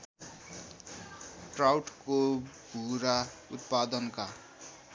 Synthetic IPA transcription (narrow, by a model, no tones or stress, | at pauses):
ʈrawʈkobʱuɾaut̪̚pad̪ʌnka